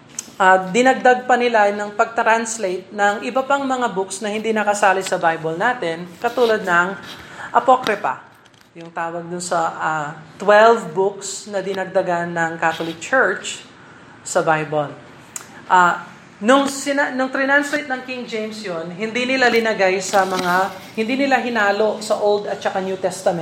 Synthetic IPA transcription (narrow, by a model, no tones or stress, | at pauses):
ʔad̪ɪnɐɡ̚d̪aɡ̚pɐnɪlanɐŋpɐɡ̚t̪ɾanslejt̪̚nɐŋʔɪbɐpaŋmɐŋabʊksnɐhɪnd̪inɐkɐsaːlɪsɐbajbɐlnaːt̪ɛnkɐt̪uːlɐd̪̚nɐŋʔɐpokɾɪpɐ̰ | jʊŋt̪aːwɐɡ̚d̪ʊnsɐʔat̪wɛlvbʊksnɐd̪ɪnɐɡ̚d̪ɐɡanːɐŋkat̪olɪk̚t͡ʃɛɹt͡ʃ | sɐbajbol | ʔa | nʊŋsɪnanʊŋt̪ɾɪnanslejt̪nɐŋkɪŋd͡ʒejmsjonɦɪnd̪inɪlalɪnɐɡajsɐmɐŋahɪnd̪inɪlaɦɪnaːlo̞ʔsɐʔold̪ɐt̪̚t͡ʃɐkanjut̪ɛst̪ɐmɛ